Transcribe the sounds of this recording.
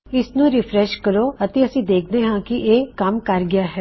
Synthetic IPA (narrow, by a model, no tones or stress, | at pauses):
ɪsnũːɾɪpʰɾɛʃkəɾoːət̪eːəsĩːd̪eːkʰd̪eːɦãːkɪʔeːkəmkəɾɡɪjaːɦɛː